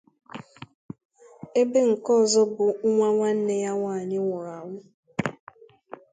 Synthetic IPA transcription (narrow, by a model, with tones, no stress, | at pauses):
e˦be˦ŋ̩˨kɔ˦˨zɔ˦bʊ˨ŋʊ˦ŋʷa˦ŋʷa˦n̩˦ne˦ja˦ŋʷa˨a˨ɲɪ˦ŋʷɔ˨a˨ŋʷʊ˦